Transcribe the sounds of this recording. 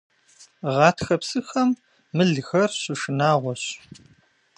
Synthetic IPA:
ʁɑːtʰxɐpsɨxɐmː | ɨɮxɐrɕɪʂɨnaːʁʷɔɕ

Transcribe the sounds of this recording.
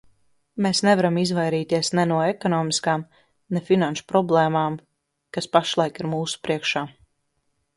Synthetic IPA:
meːsnɛvaɾamizvajɾiːt̪iɛsnɛnuɔekɔnɔːmiskaːm | nɛfinanʃu̥pɾɔblˠeːmaːm | kaspaʃlˠajkiɾmuːsu̥pɾiɛkʃaː

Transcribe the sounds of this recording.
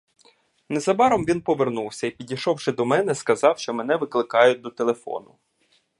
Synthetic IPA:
nɛzɐbɑɾɔmʋʲinpɔʋernuwsʲɐipʲidʲijʃɔwʃɪd̪ɔmɛnɛskɐzɑwʃt͡ʃɔmɛnɛʋɪklˠɪkɑjʊt̚ʲd̪ɔt̪elˠefɔ̰nʊ

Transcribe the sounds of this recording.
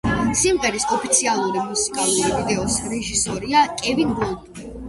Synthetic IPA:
simʁɛɾisɔpʰi̥t̪sʰialˠuɾimusi̥kʼalˠuɾivid̪ɛɔsɾɛʒisɔɾiakʼɛvinbɔlˠd̪ʼ

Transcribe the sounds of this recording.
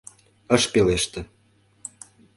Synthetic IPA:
əʃpeleʃt̪ĕ

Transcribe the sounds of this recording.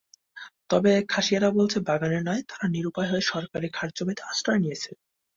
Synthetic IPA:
t̪ɔbekʰaʃijaɾabolt͡ɕʰebaɡaneɾnɔet̪aɾaniɾupaeɦɔeʃɔɾkaɾikʰaɾd͡ʑomet̪asʈɾaenijet͡ɕʰe

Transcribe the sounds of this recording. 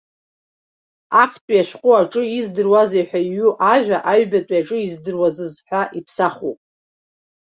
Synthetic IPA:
akʰtʼjaʃʷᶣqʼuaʈ͡ʂʼɨizdɨrwazejħʷᶣaiɥuʔaʒʷᶣaʔaɥbatʷʼjaʈ͡ʂʼɨizdɨrwazɨzħʷᶣaʔipʰsaχupʼ

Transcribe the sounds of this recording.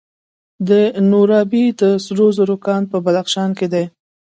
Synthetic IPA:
d̪ənoɾɑbid̪əsɾozoɾokɑnpəbad̪axʃɑnked̪e

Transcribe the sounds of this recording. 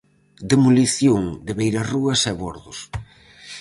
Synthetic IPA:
d̪emuliθjoŋd̪ɪβejɾɐruɐsɛβoɾðʊs

